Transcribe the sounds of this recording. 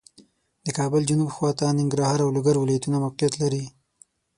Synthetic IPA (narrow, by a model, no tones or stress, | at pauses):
d̪̥əkɑbəld͡ʒʊnubxwɑt̪anɪŋɡɾɑhɑɾawlʊɡaɾwɪlɑjat̪unamawqijat̪laɾi